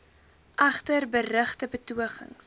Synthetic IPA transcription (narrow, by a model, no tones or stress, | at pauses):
ʔɐχtərbərəχtəbətuəχə̰ŋs